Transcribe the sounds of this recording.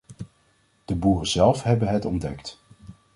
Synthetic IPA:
d̥əbuːrəzɛlˠfɦɛbənɦɛtɔndɛ̰kt

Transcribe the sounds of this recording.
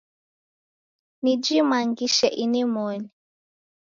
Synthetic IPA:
nid͡ʒimaŋɡiʃɛʔinimɔni

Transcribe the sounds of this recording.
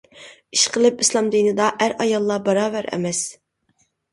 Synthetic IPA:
iʃqʰəlˠɨpislˠɑmd̪inɨd̪ɑʔæɾɑjɑlˠːɑbɑɾɑːvæɾʔɛ̰mɛs

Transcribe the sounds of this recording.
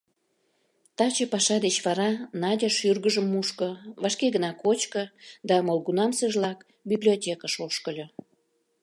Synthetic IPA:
t̪ɑt͡ɕepɑʃɑd̪et͡ɕβɑɾɑnɑdʲɑʃyrɣəʒəmːuʃkə̆vɑʃkeɣənɑkot͡ɕkə̆d̪ɑmolˠɡunɑmseʒlɑk | biblʲiotʲekɑʃoʃkəlʲo

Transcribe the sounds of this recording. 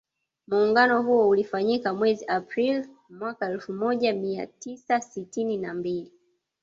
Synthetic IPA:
muːŋɡanɔɦuɔulifaɲikamwɛziʔapɾil | mwakaɛlfumɔʄamia̰tisasitininambili

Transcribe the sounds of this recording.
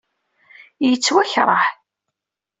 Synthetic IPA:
jət͡sːwæçɾˤɑ̰ħ

